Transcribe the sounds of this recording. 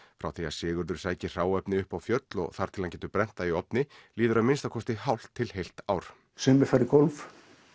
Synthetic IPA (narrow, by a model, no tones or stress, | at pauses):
fɾawθia̰sɪːɣʏɾðʏɾ̥saːjcɪr̥aːwɛpnɪʏhpawfjœt̪lɔ̰ɣθaɾ̥t̪ʰɪlancɛːt̪ʏpɾɛn̥t̪aiɔpnɪliːðʏɾaðmɪnst̪akʰɔst̪ɪɦawl̥t̪ʰːɪlhejl̥t̪aːwɾ̥ | sʏmːɪfaɾɪkolv